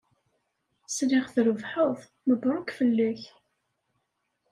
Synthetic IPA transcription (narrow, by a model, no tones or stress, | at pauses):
sliχθɾəvħʊðˤ | məbɾˤʊkfəlːæç